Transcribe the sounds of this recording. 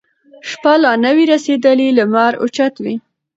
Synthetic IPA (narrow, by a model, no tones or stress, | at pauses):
ʂpalɑnawiɾased̪əlilamaɾʊ̰t͡ʃat̪wi